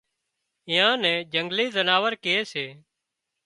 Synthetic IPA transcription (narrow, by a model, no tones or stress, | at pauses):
ɪ̃ːjãːnɛ̃ːd͡ʒəŋɡliːzənaːʋəɾkeːseː